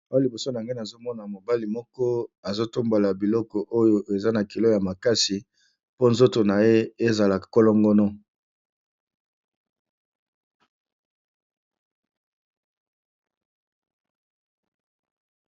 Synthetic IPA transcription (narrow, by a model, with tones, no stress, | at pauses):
o˦a˦li˨bo˨so˦na˨ŋɡe˦na˨zo˦mɔ˦na˨mo˨ba˦li˨mɔ˦kɔ˦a˨zo˦to˦mbo˨la˨bi˨lɔ˦kɔ˨ʔo˦jo˨ʔe˨za˦na˨ki˨lo˦ja˨ma˨ka˦si˨ | po˦nzo˦to˨na˨je˦e˦za˨la˨ko˦lɔ˦ŋɡɔ˦nɔ˦